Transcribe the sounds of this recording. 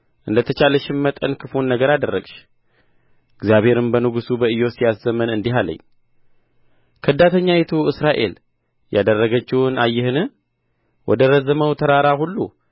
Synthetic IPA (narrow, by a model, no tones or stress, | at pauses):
ʔɨnd̪ət̪ʰət͡ʃaləʃɪnmət̪ʼənkʰɨfunːəɡəɾad̪ərːə̰ɡʃ | ʔɨɡzijaβhe̞ɾɨmbənɨɡusubəɨjo̞sijaszəmənɨnd̪iɦalə̰ɲː | kʰəɨd̪ːat̪ʰəɲːajet̪ʰuɨsɾaʔe̞̰l | jad̪ərːəɡət͡ʃːɪwɨnajːɪhɨnɨ | wɔ̰d̪əɾəzəməwt̪ʰəɾaɾahulːṵ